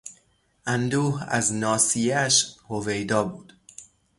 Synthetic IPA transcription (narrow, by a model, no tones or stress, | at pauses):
ʔænd̪uːhæ̰znɒːsijæʃhove̞jd̪ɒːbuːd̪̥